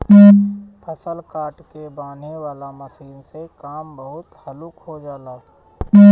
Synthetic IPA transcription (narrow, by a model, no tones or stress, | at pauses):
pʰəsəlkaːʈkebaːn̤eʋaːlamɐsiːnsekaːmbəɦʊt̪hɐlukɦod͡ʒaːlaː